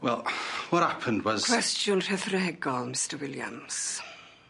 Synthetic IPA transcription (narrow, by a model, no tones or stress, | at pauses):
wɛlˠwɔt̚hapʰə̃ndwɔzkʰw̥ɛstʰjʊnr̥ɛθrɛhɛɡɔlˠmɪstəwɪlja̰ms